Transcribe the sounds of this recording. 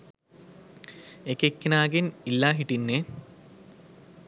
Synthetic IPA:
ekekːnaːɡenilːaːɦiʈːinːe

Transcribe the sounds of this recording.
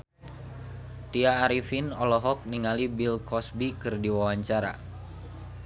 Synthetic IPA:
t̪iaːɾifinɔlɔɦɔk̚niŋalibilkɔsbikɨrdiwawaɲt͡ʃaɾa̰

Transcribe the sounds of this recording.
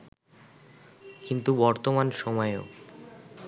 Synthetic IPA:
kint̪ubɔɾt̪omanʃɔmɔeo̰

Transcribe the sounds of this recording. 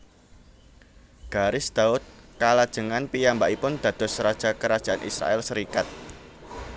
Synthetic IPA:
ɡ̥aɾɪsd̪̥aʊt̪̚kalad̥ʒ̥əŋanpijambaʔipʊnd̪̥ä̤d̪̥ɔ̤sɾad̥ʒ̥a̤kəɾḁʒ̥a̤anʔḭsɾa̰ʔɛlsəɾikat̪̚

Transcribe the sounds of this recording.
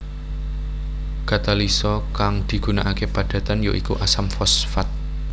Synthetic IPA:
kat̪alisɔkaŋd̪̥i̤ɡ̥ṳnaʔakepad̥ä̤t̪anjoʔikuʔasamfɔsfat̪̚

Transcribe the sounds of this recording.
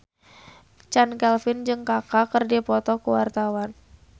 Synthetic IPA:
t͡ʃankɛlfɪnd͡ʒɨŋkakakɨrdipɔt̪ɔkuwart̪awan

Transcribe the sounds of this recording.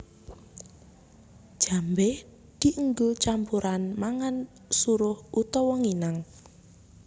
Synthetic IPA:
ʒ̥a̤mbɛh | d̪̥iʔəŋɡot͡ʃampuɾanmaŋan | suɾʊhut̪ɔwɔŋinaŋ

